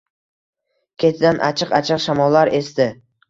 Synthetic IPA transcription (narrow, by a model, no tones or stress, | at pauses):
kʲʰet̪ʰɪd̪anʔa̰t͡ʃʰɨqa̰t͡ʃʰɨqʃamɒlˠːaɾe̞st̪ɪ